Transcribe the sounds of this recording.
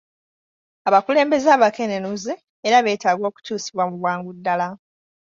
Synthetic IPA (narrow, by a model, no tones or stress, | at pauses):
aβakule̞ːmbe̞zaːβakenenuzeː | ɾaβe̞ːtaːɡwo̞ːku̥tuːsi̥βwamuβwaːŋɡudːala